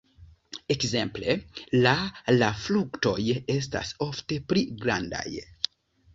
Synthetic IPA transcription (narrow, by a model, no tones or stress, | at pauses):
ekze̞mple̞lalaflukto̞je̞s̬ta̰so̞fte̞pɾiɡɾanda̰j